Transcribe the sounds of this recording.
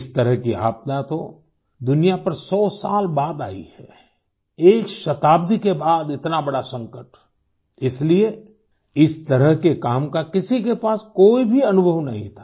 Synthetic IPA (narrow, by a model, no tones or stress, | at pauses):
ɪst̪əɾəɦkia̰ːb̚t̪at̪o | d̪ʊnijapɐɾsɔːsa̰ːlbaːd̪a̰ːḭhɛ̰ː | eːkʃɐt̪aːb̚d̪ʱikebaːd̪ɪt̪nabɐɽasɐ̃ŋkəʈ | ɪslie | ɪst̪ɐɾəɦkekaːmkakɪsikepaːskoːibʱiɐnʊbʱəʋnɐɦḭ̃t̪ʰḁː